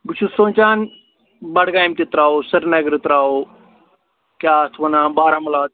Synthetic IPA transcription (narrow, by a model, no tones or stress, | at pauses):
ɡut͡ʃʰusõːnt͡ʃaːn | bɐɽɡaːjmt̪it̪ɾaːosɐɾnɐɡɾit̪ɾaːo | kaːt̪ʰʋɐnãːbaːɾamɐlaː